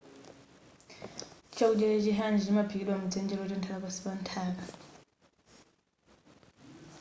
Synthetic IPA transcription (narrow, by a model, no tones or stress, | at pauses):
t͡ʃʰaud͡ʒɛɾɛt͡ʃiɦanid͡ʒimapʰikiɗwamud͡zɛnd͡ʒɛlɔt͡ʃɔntʰalapasi̥pantʰaːka